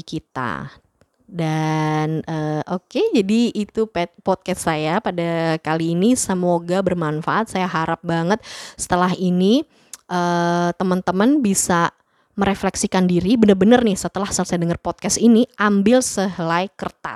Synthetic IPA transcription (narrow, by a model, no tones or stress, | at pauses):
kit̪a̰ | danəʔoked͡ʒadiit̪upɛpɔt̪̚kɛssajapadakaliːnisəmoɡabərmanfaʔat̪̚sajaɦaɾap̚baŋət̪̚sə̥t̪əlaɦini | ʔəːt̪əmənt̪əmənbisa | məɾeflɛksikandiɾibənərbənərnɪhsət̪əlahsəlsajadəŋərpɔt̪̚kɛsiniʔambɪlsəɦlajkərt̪a̰